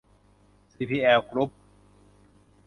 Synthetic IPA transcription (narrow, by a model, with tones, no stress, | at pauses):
siː˧pʰiː˧˩ʔɛː˧wkɾu˦˥p̚